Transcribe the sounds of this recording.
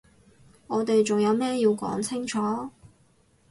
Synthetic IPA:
ŋɔː˨˧t̪e˨jt͡sʊ˨˩ŋjɐ˨˧wmɛː˥ji˧wkɔ̰ː˨˥ŋt͡sʰɪ˥ŋt͡ʃʰɔː˨˥

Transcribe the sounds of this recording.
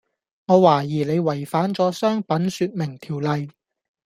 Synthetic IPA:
ŋɔː˨˧waː˨˩jiː˨˩le˨˧jwɐ˨˩jfaː˨˥nt͡sɔː˨˥sœː˥ŋpɐ˨˥nsyː˧t̚mɪ˨˩ŋt̪ʰiː˨˩wlɐ˨j

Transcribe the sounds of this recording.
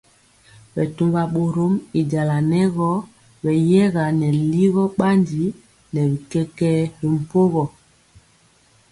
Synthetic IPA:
ɓɛ˨tu˨ŋɡa˨ɓo˨ɾo˦mi˨da˨la˨nɛ˦ɣɔ˦ | ɓɛ˨jɛ˦ɣa˨nɛ˨li˦ɣɔ˦ɓa˦ndi˨˦ | nɛ˨ɾi˨kɛ˦kɛ˦ɾi˨m̩˨po˦ɣɔ˨

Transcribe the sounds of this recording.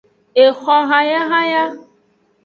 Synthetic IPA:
e˨xɔ˨ɦa˨ja˦ɦa˦ja˦

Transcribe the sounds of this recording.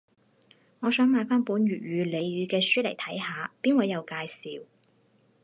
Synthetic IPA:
ŋɔː˨˧sœː˨˥ŋmaː˨˧jfaː˥npuː˨˥nɥyː˨˩t̚ɥyː˨˧le˨˧jɥyː˨˧kɛː˧syː˥lɐ˨˩jt̪ʰɐ˨˥jhaː˨˧piː˥nwɔː˨˧˩jɐ˨˧wkaː˧jsḭː˨w

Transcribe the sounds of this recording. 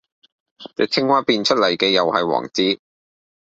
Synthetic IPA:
t͡sɛ˨˩tʰɪ˥ŋwaː˥piː˧nt͡ʃʰɵ˥t̚lɐ˨˩jkɛː˧jɐ˨whɐ˨jwɔ̰ː˨˩ŋt͡siː˥

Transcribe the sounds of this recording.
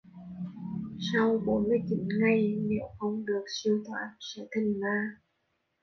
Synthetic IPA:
sa˧wɓo˨˦nmɨ˧əjt͡ɕi˨˦nŋa˨˩jnɛ̰˧˨˥wxə˧wŋ͡mɗɨ˨˩ək̚si˧əwt̪ʰwa̰ː˨˥n̚sɛ̰˧˥t̪ʰï˨˩ŋlaː˧˩

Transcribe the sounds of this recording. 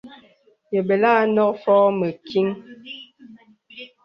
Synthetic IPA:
jə˨be˨la˦nɔ˦k̚fɔː˦mə˨kʰi˦ŋ

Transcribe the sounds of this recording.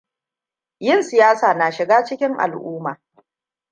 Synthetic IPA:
jɪ˦˨nsɪ˨jaː˦saː˨na˨ʃɪ˨ɡaː˦t͡ʃɪ˦kʲɪ˦ŋʔa̰˨lʔuː˦maː˨

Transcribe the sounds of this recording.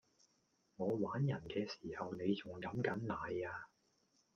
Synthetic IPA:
ŋɔː˨˧waː˨˥njɐ˨˩nkɛː˧si̥ː˨˩hɐ˨wne˨˧jt͡sʊ˨˩ŋkɐ˨˥mkɐ˨˥nnaː˨˧jaː˧

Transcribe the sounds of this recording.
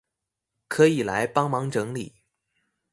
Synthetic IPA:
kʰɤ˧˥i˨˩la˧˥ɪpɑ˥ŋmɑ˧˥ŋʈ͡ʂɤ˧˥ŋli˨˩˦

